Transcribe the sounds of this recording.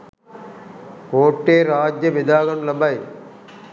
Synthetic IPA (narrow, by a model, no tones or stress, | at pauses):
koːʈːeːɾaːd͡ʒjɐʋɪd̪aːɣɐnlɐbɐj